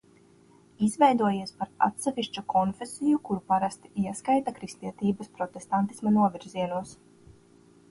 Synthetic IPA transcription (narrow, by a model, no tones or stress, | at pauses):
izvɛjd̪uɔjiɛspaɾa̰t̪sɛviʃt͡ʃukʰɔnfʲesijukuɾupaɾast̪i̥iɛskajt̪akɾist̪iɛt̪iːbɐspɾɔt̪est̪ant̪i̥smanuɔvʲiɾziɛnuɔs